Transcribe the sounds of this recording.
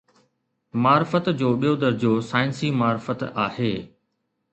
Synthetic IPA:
maːɾɪfət̪d͡ʑoːɓijod̪əɾd͡ʑosaːɪnsimaːɾfət̪aːheː

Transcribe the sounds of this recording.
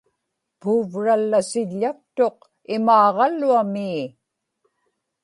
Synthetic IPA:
puːvɻalːasɪʎːak̚t̪o̞q | ɪmɑːʁɑlːuamiː

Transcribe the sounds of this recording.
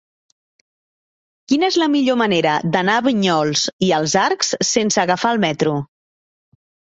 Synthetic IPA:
kinəezləmiʎoməneɾəd̪ənaːβiɲɔlˠsiəlˠzaɾksːensəːɣəfaəlˠmɛt̪ɾu

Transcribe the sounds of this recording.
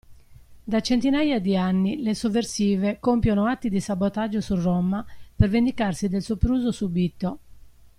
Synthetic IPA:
d̪at͡ʃɛnt̪inajad̪ianːilɛsɔvːeɾsiːvɛkɔmpjɔnɔat̪ːid̪isabɔt̪ad͡ʒːɔsurːɔmːapɛɾvend̪ikarsid̪ɛlsupɾuːzosubit̪ːɔ

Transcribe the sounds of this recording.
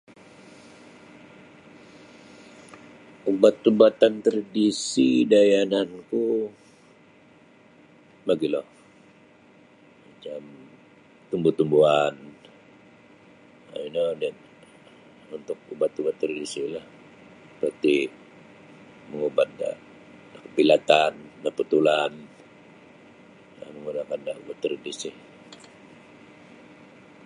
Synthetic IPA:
ubat̪ubat̪ant̪ɾadisidajananku | maɡilɔh | mat͡ʃam | t̪umbut̪umbuan | a̰inədɛn | unt̪ʊk̚ubat̪ubat̪ːəɾidisilah | pərt̪i | məŋubat̪̚da̰ | dakəpilat̪andapət̪ulan | a̰məŋunakandaubat̪ːɾidisi

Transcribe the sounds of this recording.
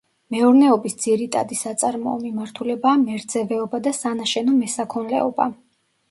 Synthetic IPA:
mɛuɾnɛɔbisd̪z̥iɾit̪ʼa̰d̪isat̪sʼaɾmɔ̰ɔmimaɾt̪ʰulɛbaːmɛɾd̪zɛvɛɔbad̪asanaʃɛnɔmɛsakʰɔnlɛ̰ɔba̰

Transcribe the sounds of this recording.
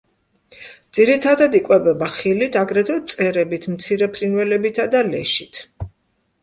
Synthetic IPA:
d̪z̥iɾit̪ʰad̪ad̪ikʼwɛbɛbaχilit̪ʰaɡɾɛt̪ʰɔt̪sʼɛɾɛbit̪ʰmt̪sʰiɾɛpʰɾinwɛlɛbit̪ʰad̪alɛ̰ʃi̥t̪ʰ

